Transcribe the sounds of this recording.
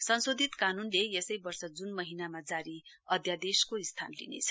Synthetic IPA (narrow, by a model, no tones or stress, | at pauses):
sʌnsod̪ʱit̪kanunlejesʌjbʌrsʌd͡zunmʌɦinamad͡zaɾi | ʌd̪ʱjad̪eskoist̪ʰa̰nlḭnḛt͡sʰʌ̥